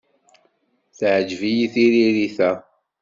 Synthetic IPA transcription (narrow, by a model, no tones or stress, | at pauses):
θʕəd͡ʒvijiθiɾiɾiθæ